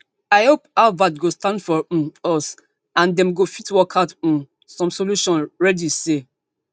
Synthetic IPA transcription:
aɪhopaʊvatɡostãndfɔɔs | ãndɛ̃mɡofitwɔkʰaʊt̩ | sɔ̃msoluʃɔ̃nɹɛdise

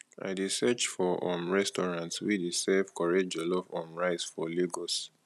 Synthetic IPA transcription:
a̰ɪdesɛt͡ʃfɔʔɔ̰̃mɹɛstɔɹãntswidisɛvkɔɹed͡ʒɔlɔfɔ̃mɹaɪsfɔleɡɔs

